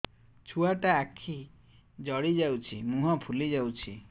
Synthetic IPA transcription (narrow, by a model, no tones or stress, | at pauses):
t͡ʃʰuaʈaːkʰi | d͡ʒɔɽid͡ʒawt͡ʃʰimũɦɔpʰulid͡ʒawt͡ʃʰi